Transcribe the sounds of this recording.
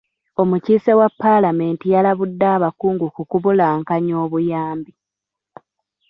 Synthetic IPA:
o̞muciːsewapːalame̞ːntijalaβudːaːβakuːŋɡukukuβulaːŋkaɲo̞ːβujaːmbi

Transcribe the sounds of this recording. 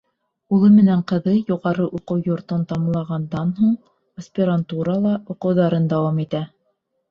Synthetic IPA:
ulˠɤmɘ̆næɴqɤ̆ðɤjuʁɑɾɤʔuqɤwjŏɾt̪ont̪ɑmlˠɑʁɑnd̪ɑnɦuɴ | ɐsʲpʲɪɾant̪uɾɑlˠɑuqɤ̆wðɑɾɤnd̪ɑwɑmit̪æ

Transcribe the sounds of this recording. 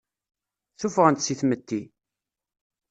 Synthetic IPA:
θufʁənt̪siθmət̪ːi

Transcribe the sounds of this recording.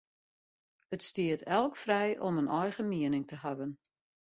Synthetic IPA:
ətstiətʰɛlˠkfrɛjʔɔmənʔɔjɣəmiənɪŋtəhavən

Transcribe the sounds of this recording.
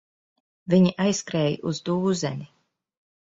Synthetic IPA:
viɲiʔajskɾɛːjʔuzd̪uːzɛni

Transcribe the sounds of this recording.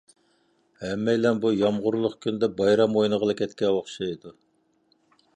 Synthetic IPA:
hɛmːɛjlɛnbujɑmʁʊɾlˠʊχkʲynd̪ɛbɑjɾɑmojnəʁəlˠɨkʲʰɛt̪kʲɛwoχʃɑjid̪u

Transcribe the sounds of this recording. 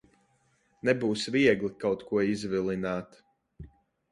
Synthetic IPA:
nɛbuːsviɛɡlikawt̪kuɔizvilˠinaːt̪

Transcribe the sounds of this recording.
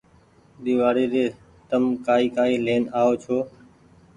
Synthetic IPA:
ɗ̪iːʋaːɽeːɾeː | t̪əmkaːiːkaːiːleːnaːoːt͡ʃʰoː

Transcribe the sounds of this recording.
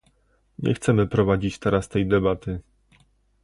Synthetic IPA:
ɲɛ̰xt̪sɛmɘpɾɔvad͡ʑit͡ɕt̪ɛɾast̪ɛjd̪ɛbat̪ɘ

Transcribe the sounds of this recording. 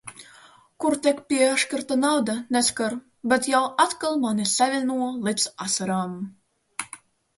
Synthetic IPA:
kuɾt̪ʲɛkpʲiɛaʃkaɾt̪anawd̪anɛskaɾ | bʲɛt̪jawat̪kalˠmanisavʲinuɔlˠipsasaɾaːm

